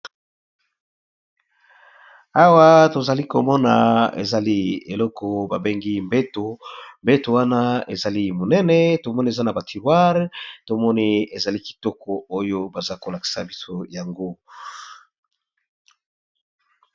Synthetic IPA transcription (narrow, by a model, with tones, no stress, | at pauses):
a˦wa˦to˨za˨li˦ko˨mɔ˦na̰˨ḛ˨za˨li˦ḛ˨lɔ˦kʰɔ˨ba˨be˦ŋɡi˦mbe˦to˨mbe˦to˨wa˦na˦ḛ˨za˨li˦mo˨nɛ˦nɛ˨to˨mɔ˦ni˦e˨za˦na˨ba˨ti˨ʁwa˦ʁto˨mɔ˦ni˦e˨za˨li˦ki̥˨tɔ˦kɔ˨o˦jo˦ba˨za˦ko˨la˨ki̥˨sa̰˨bi˦so˦ja˨ŋɡo˦